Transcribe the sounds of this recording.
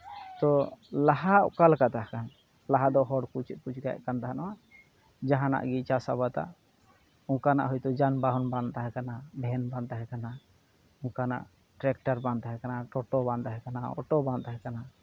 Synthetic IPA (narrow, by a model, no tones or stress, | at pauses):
t̪ɔlaɦaʔkalkat̪aɦkan | laɦad̪ɔɦɔɽkut͡ʃɛt̪̚kut͡ʃʰɡaja̰ʔkant̪aɦanawa | d͡ʒaɦãna̰ʔɡit͡ʃasabat̪a̰ʔ | uŋkana̰ʔɦɔjt̪ɔd͡ʒanbaɦɔnbant̪aɦɛkanabʱɛnbãnt̪aɦɛkana | uŋkana̰ʔ | ʈɾɛk̚ʈaɾbãnt̪aɦɛkanaʈɔʈɔbãnt̪aɦɛkanaɔ̰ʈɔbãnt̪aɦɛkana